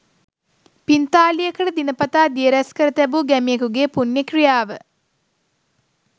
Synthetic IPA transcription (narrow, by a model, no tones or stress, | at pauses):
pint̪aːlijekəɽəd̪inəpɐt̪aːd̪ijeɾɛskəɾət̪æbuɡæmijekuɡeːpunjekrijaːʋə